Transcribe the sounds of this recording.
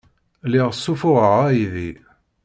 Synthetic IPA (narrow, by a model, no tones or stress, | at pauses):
liʁəsːufʊʁəʁæjiði